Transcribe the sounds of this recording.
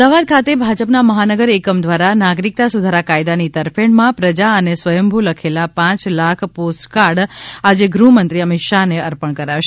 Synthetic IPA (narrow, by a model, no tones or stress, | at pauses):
aʋad̪̚kʰat̪ebʱad͡ʒəpnaməɦanəɡəɾekəmd̪ʋaɾanaɡɾik̚t̪asud̪ʱaɾakajd̪anit̪əɾfʰeɳmãpɾəd͡ʒaənesʋəjəmbʱuləkʰelapãt͡ʃlakʰposkaɾɽad͡ʒeɡɾumənt̪ɾiəmɪt̪ʃaneəɾpəɳkəɾaʃe